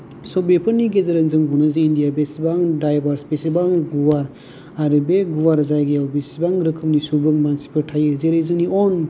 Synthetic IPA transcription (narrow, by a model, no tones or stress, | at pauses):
sɔbepʰɯɾniɡezeɾanzɯŋbunazɯindijabesibaŋdajbaɾsbesibaŋɡuwaɾ | aɾɯbeɡuwaɾzajɡejawbesibaŋɾɯkʰɯmnisubɯŋmansi̥pʰɯɾtʰajɯzeɾejzɯŋniɔn